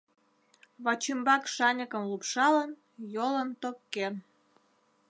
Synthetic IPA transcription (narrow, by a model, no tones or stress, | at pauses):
βɑt͡ɕymbɑkʃɑnʲəkə̆mlupʃɑlən | jolənt̪okːe